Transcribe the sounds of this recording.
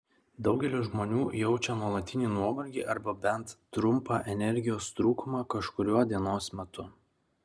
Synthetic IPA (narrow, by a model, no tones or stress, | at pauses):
d̪ɒʊɡʲɛlʲɪʒmoːnʲuːjɛʊt͡ʃʲɛnuɔlˠɐt̪ʲːɪnʲiːnuɔbɐlʲɡʲiːʔɐɾbɐbʲɛnt̪ːɾʊmpɑːʔɛnʲɛɾʲɡʲɪjoːst̪ɾuːkʊmɑːkɐʃkʊɾʲuɔd̪ʲiɛnoːsmʲɛt̪ʊ